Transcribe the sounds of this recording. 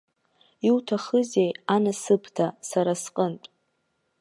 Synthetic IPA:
iwtʰaχəze̞janasɨpʰtʰasaɾasqʼəntʼ

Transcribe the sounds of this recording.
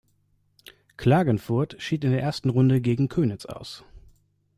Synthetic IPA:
kʰl̥aːɡənfʊɐtʃiːtɪndeːɐʔeːɐstn̩ʁʊndəɡeːɡŋ̩kʰøːnɪsa̰ʊs

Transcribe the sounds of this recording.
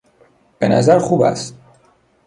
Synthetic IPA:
b̥enæzæɾxuːbæ̰st̪

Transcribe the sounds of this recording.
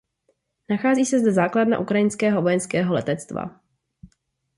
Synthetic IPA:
naxaːziːsɛzd̪ɛzaːkladna̰ʔukɾajɪnskɛːɦo̞vojɛnskɛːɦo̞lɛt̪ɛt͡st̪va̰

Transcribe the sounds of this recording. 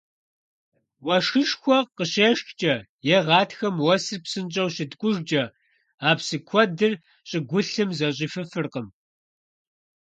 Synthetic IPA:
wɐʂɨʃxʷɔqəɕeːʃxt͡ʃʼɐ | jɛʁɑːtxɐmwɐsɨrpsɨnt͡ʃʼɐwɕɪdkʷʼʊʒd͡ʒʼɐ | aːpsɨkʷʰɔdɨr | ɕʼɪɡʷʊɬɨmzɐɕ̬ʼiːfɨfɨrqəm

